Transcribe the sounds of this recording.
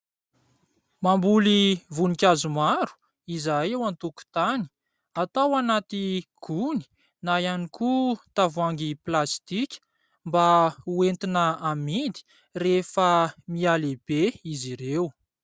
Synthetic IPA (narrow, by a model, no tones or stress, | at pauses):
mambulivunikʲazumaɾu̥ | izajewant̪uku̥t̪ani̥ | at̪awanat̪iɡ̥uni̥ | najanikʰut̪avuaŋɡiplast̪ikʲə̥ | mbauent̪inəamid̪i̥ | refəmialeb̥eiziɾew